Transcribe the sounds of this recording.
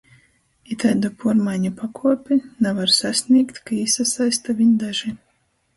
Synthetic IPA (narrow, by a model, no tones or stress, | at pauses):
it̪ajd̪ɔpuɔɾmajɲʲupakʰuɔpʲinɛvaɾsasʲnʲiɛkt̪ʲkaisasajst̪avʲiɲʲd̪aʒi